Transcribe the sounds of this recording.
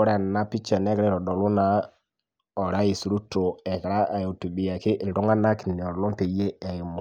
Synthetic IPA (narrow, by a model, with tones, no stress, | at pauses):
ɾa˦˨na˦pi˦t͡ʃa˨nɛ˦kɾɛ˦ɾɔ˨dɔ˨lu˦na˨ | ɔ˨ɾa˦ji˨su˨ɾu˦to˨ɛ˨kɾa˦ʔa˨jo˨tu˨bi˨ja˨kɪ˦ʔɪ˨lɾu˦ŋa˦na˦ki˨ni˨ɔ˨ɾnu˦te˨je˦ɛ˨ji˨mu˨